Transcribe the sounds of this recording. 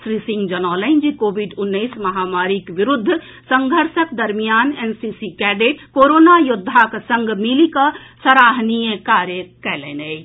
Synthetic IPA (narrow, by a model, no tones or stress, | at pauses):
sɾisiŋɡd͡ʒənaːləɪnd͡ʒikobiɖunːəɪsməɦamaɾikʋiɾud̪ʱː | səŋɡʱəɾsəkd̪əɾmijanensisikɛɖeʈkoɾonajud̪ʱːaksə̃ŋɡmilikəsəɾaɦnijəkaɾjəkɛlɛ̰nɛɪ